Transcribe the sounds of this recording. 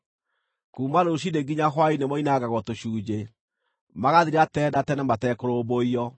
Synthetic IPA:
kuːmanoɕ̬ideɡiɲaɦwainemɔinaɡaɣɔtoɕuːd͡ʑe | maɣaðiɾatɛdatɛnɛmatɛkoɾoboiɔ

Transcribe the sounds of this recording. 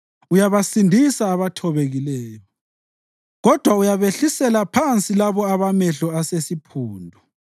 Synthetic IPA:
ujaβasindʱisaːβatʰɔβeɣilɛːjɔ | ɣɔd̥ʱwaujaβeɬisɛlapʰant͡sʼilaβɔaβamɛɬɔasesipʰuːndʱɔ

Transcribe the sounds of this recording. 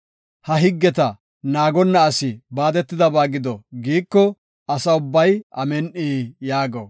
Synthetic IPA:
hɐɦɪɡːɛt̪ɐ | naːɡɔnːɐːsɪbaːd̪ɛt̪ːɪd̪ɐbaːɡɪd̪ɔɡiːkːɔ | ɐsɐʊbːɐjʔɐmɛnʔiːjaːɡo̰

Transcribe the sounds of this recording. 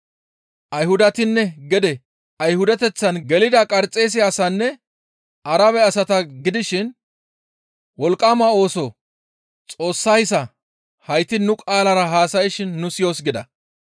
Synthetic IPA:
ʔɐjhʊd̪ɐt̪ɪnːɛɡɛd̪ɛ | ɐjhʊd̪ɛt̪ɛt͡sːɐnɡɛlɪd̪ɐkʼɐɾt͡sʼe̞ːs̬ɪasɐnːɛ | ʔɐɾɐβɛɐsɐt̪ɐɡɪd̪ɪʃɪn | wɔlkʼːaːmɐo̞ːsɔ | t͡sʼo̞ːsːɐjsɐ | hɐjt̪ɪnʊkʼaːlɐɾɐɦaːsɐjɪʃɪnːʊsɪjo̞ːsɡɪd̪ɐ

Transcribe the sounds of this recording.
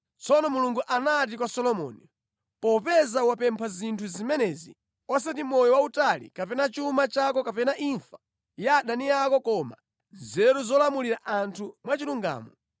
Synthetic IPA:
t͡sɔnɔmuluŋɡuʔanat̬ikwasɔlɔmɔ̰ni | pɔpɛzawapɛmpʰazintʰuzimɛnɛzḭ | ɔsatimɔjɔwautalḭkapɛnat͡ʃumat͡ʃak̬ɔkapɛnaʔiɱfḁ | jaːɗanijakɔkɔma̰ | zɛɾuzɔlamuliɾaʔantʰumwat͡ʃiluŋɡa̰ːmɔ

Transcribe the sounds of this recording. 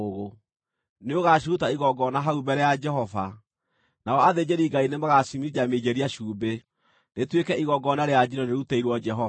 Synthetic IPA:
oɣo | neoɣaʃ̬iɾutaiɣɔɡɔnaɦaubɛɾɛjad͡ʒɛɦɔva | naɔaðed͡ʒeɾiɡainemaɣasimid͡ʒamed͡ʒɛɾiaʃuːbe | netwekɛiɣɔɡɔnaɾejad͡ʒiɾɔneɾuteiɾwɔd͡ʒɛɦɔ

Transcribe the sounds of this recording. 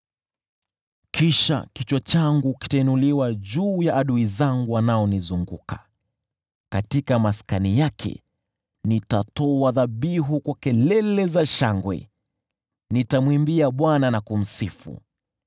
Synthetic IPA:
kʰiʃa̰kit͡ʃwɔt͡ʃaŋɡuki̥tainuliwaʄuːjaʔːɗuizaŋɡuwanaɔnizuŋɡukḁ | katikamaskanijakʰɛ̰ | nitatɔaðaɓiɦukwakɛlɛlɛzaʃaŋɡwɛ̰ | nitamwimbiaɓwananakum̩sifṵ

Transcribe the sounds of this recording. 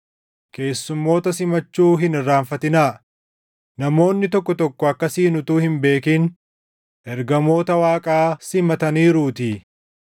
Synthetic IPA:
ke̞ːsːʊmːo̞ːt̪ɐsɪmɐt͡ʃːuːɦɪnɪrːaːɱfɐt̪ɪnaː | nɐmo̞ːnːɪt̪ɔkːɔt̪ɔkːɔɐkːɐsiːnʊt̪uːhɪmbe̞ːkiːn | ʔɛɾɡɐmo̞ːt̪ɐwaːkʼaːsɪmɐt̪ɐniːɾuːt̪ɪ

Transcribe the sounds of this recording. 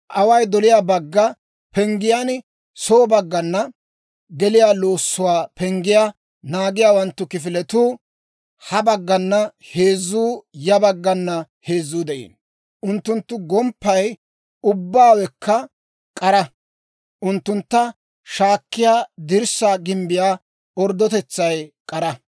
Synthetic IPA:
ʔɐwɐjd̪ɔlɪjaːbɐɡːɐ | pɛŋɡɪjan | soːbɐɡːɐnːɐ | ɡɛlɪjaːloːsːʊwaːpɛŋɡɪjaː | naːɡɪjaːwɐnt̪ːʊkɪfɪlɛt̪uː | hɐbɐɡːɐnːɐhe̞ːzːuːjɐbɐɡːɐnːɐ | he̞ːzːuːd̪ɛʔḭːn | ʔʊnt̪ːʊnt̪ːʊɡɔmpːɐj | ʊbːaːwɛkːɐ | kʼɐɾɐ | ʔʊnt̪ːʊnt̪ːɐ | ʃaːkːɪjaːd̪ɪɾsːaːɡɪmbɪjaː | ɔɾd̪ɔt̪ɛt͡sːɐjkʼɐɾɐ

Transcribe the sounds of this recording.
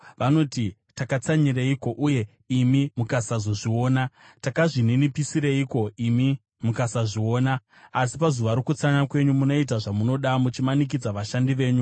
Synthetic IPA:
ʋano̞ti | takat͡saɲireiko̞ʔuje̞ | imimukasazoʐio̞ːna | takaʐininipisiɾeiko̞imi | mukasaʐio̞ːnaː | sipazuʋaɾokut͡saɲakwe̞ɲumuno̞it̬aʐamuno̞ɗamut͡ʃimanik̬id͡zaʋaʃandiʋe̞ːɲu

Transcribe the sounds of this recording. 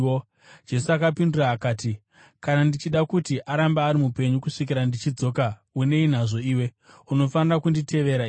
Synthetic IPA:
o | d͡ʒe̞suakapinduraːkaːti | kanandit͡ʃiɗakutiʔaɾambaːɾimupe̞ɲukuʂikiɾandit͡ʃid͡zo̞kaune̞in̤aʐo̞iːwe̞ | uno̞fanirakunditʰe̞ʋe̞ɾa

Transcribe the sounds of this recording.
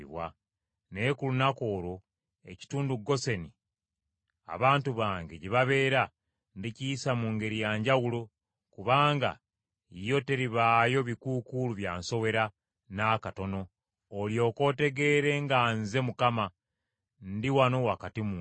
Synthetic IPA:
βwa̰ | ne̞kulunako̞ːɾo | e̞̰ci̥tuːnduɡo̞se̞ni | a̰βaːntuβaːŋɡe̞ɟiβaβe̞ːɾa | ndicijisamuŋɡe̞ɾijaːɲɟawulo | kuβaːŋɡa̰ | ijo̞te̞ɾiβaːjo̞βikuːkuluβja̰ːnso̞we̞ɾa | naːkato̞no̞ː | ljo̞ːko̞te̞ɡe̞ːɾe̞ŋɡanze̞mukama | ndiwano̞wakatimu

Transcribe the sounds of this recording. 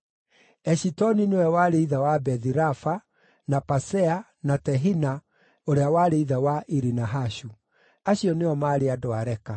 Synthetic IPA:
ɛɕitɔninewɛwaːɾeiðawabɛðiɾafa | napasɛa | natɛɦina | oɾeawaɾeiðawaʔiɾinaɦaɕu | aɕiɔneɔmaːɾeadoaɾɛka

